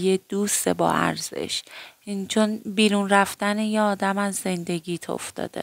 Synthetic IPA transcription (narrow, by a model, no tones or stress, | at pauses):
jed̪̥ust̪ebɒ̰ːʔæ̰ɾz̥e̞̰ʃ | t͡ʃʰonbiːɾunɾæft̪ænejeɒːd̪æmæzːe̞nd̪e̞ɡiːt̪ʰo̞̰ft̪ɒ̰ːd̪̥e̞̰